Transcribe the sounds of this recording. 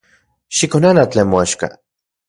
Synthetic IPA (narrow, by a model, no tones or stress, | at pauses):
ʃikonanat͡ɬeːnmoaʃka̰